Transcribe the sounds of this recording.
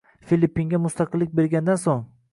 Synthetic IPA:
filʲipːiŋɡʲamʊst̪ʰɑqʰɨlːɪk̚ʲbe̞ɾɡʲand̪ansoŋ

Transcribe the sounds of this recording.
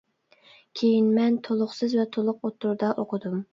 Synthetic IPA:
kʲʰejinmɛnt̪ʰolˠʊχsɨzvɛt̪ʰolˠʊq̚ot̪ʰːʊɾd̪ɑʔoqʰəd̪um

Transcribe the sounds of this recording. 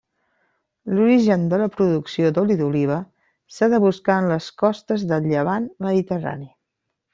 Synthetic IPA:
luɾiʒənd̪ələpɾuðuksiod̪uliðuliβ̞ə | saðəβuskaənləskɔst̪əzðəlʎəβ̞anməðit̪əra̰ni

